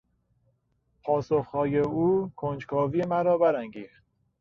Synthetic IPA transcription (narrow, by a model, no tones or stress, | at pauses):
pʰɒːsoxhɒːjeuːkʰond͡ʒkʰɒːviːjemæɾɒːbæɾæŋɟiːxt̪̚